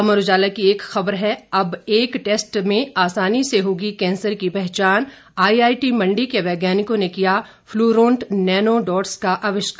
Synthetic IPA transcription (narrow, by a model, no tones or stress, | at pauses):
ɐməɾʊd͡ʒaːlakieːkxɐbəɾɦɛɐbeːkʈeːsʈmẽaːsaːniseɦoːɡikɛ̃ːnsəɾkipɛɦt͡ʃaːn | aːiaːiʈimɐ̃ɳɖikeʋɛːɡjaːnɪkõnekija | fluːɾõːɳʈnɛːnoɖɔːʈskaʔaːʋɪʃka